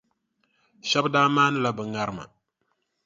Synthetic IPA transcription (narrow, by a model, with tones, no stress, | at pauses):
ʃɛ˦bdaː˦maː˦nɨ˦la˨bɨ˨ŋa˦ɾɨ˦ma̰˨